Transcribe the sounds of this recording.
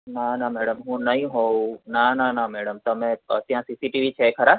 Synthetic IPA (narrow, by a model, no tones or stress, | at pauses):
nanamɛːɽəmɦũnɐɦĩɦoːnananamɛːɽəmt̪ɐmẽt̪ĩɦãsiːsiʈiːʋit͡ʃʰekʰɐɾa